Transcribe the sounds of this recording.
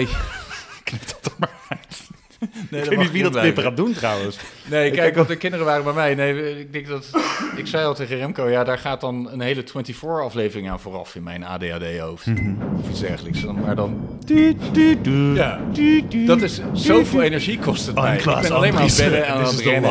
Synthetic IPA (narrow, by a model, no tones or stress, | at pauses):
knɪp̚d̥ɑ̥təɹmaɹ | nednitʋidlɪpəχaːduntrɑwənsnejɪɛkɔtəkɪndərəʋaːrəbɛmɛjnejɪɡ̚dɛŋkdɑtɪksɛjɔlˠtejχərɛmkowjaːdaːɹχaːt̚dɑnənɦejlətwɛntifʊːɹɑflejvərɪŋaːnvʊːrɑ̰fɪnmɛjna̰ːdejaːdejowftɔfitzdɛ̰ɹχələksmaːɹdɑn | ja | dɑtɪssowvɪːlˠejnɛɹʒikɔstətmɛ̰jɪ̰bɛnɑlejnmabɛdəɛnsrɛn